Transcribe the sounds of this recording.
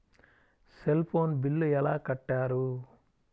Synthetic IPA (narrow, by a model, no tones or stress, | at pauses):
selpʰo̞ːnbilːuɛlaːkɐʈːaːɾu